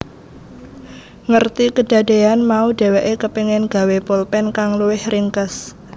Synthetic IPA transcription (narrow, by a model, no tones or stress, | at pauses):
ŋərt̪ikəɖ̥a̤d̥eanmaud̥e̤wɛʔekəpeŋɪnɡ̥a̤wepolpɛnkaŋluwɪhriŋkəs